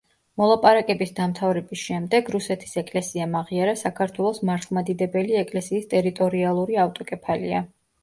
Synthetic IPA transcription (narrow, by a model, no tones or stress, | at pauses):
mɔlˠapʼaɾakʼɛbisd̪amt̪ʰavɾɛbisʃɛmd̪ɛɡɾusɛt̪ʰi̥sɛkʼlɛsiamaʁiaɾasakʰaɾt̪ʰwɛlˠɔsmaɾt̪ʰlˠmad̪id̪ɛbɛliɛkʼlɛsiːst̪ʼɛɾit̪ʼɔɾialˠuɾiaft̪ʼɔkʼɛpʰalḭa